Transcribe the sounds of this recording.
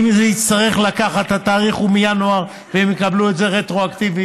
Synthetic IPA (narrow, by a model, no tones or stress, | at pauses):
mizeist̪aʁe̞χlakaχat̪hat̪aːʁiχumijanoaʁ | veemjekabluetze̞ʁet̪ʁo̞akt̪ivi